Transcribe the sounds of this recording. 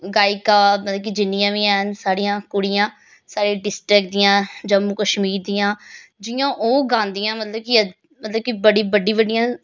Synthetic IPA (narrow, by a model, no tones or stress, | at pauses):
ɡaːɪkaːmət̪ləbkid͡ʒɪnːĩãːʋiːɛːnsaːɽijãːkʊɽijãː | saːɾeːɖɪsʈɾɪkd̪ɪjãːd͡ʒəmːuːkəʃmiːɾd̪iːãːd͡ʒɪjãːʔoːɡãːnd̪ijãːmət̪ləb̚kiə | mət̪ləb̚kibəɽiːbəɖiːbəɖijãː